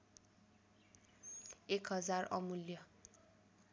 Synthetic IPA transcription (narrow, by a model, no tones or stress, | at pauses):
ekɦʌd͡zarʌ̰muljʌ